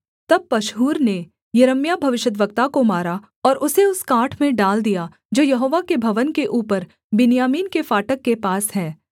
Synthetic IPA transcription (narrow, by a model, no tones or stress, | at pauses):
t̪ɐb̚pɐʃɦuːɾne | jɐɾəmjabʱɐʋɪʃjəd̪ʋək̚t̪akomaːɾa | ɔːɾʔʊseʊskaːʈʰmẽɖaːld̪ija | d͡ʒoːjɐɦoːʋakebʱɐʋənkeʔuːpəɾ | bɪnjaːmiːnkefaːʈəkːepaːsɦɛː